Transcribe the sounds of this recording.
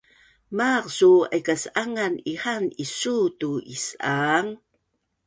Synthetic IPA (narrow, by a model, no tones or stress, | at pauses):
maqsua̰jkasʔaŋaniħanisutuisaŋ